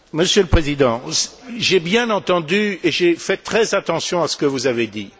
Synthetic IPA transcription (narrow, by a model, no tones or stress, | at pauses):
məsjøləpχezid̪ɑ̃sʒebjɛ̃nɑ̃t̪ɑ̃d̪yeʒefɛt̪χɛzat̪ɑ̃sjɔ̃asə̥kəvuzaved̪i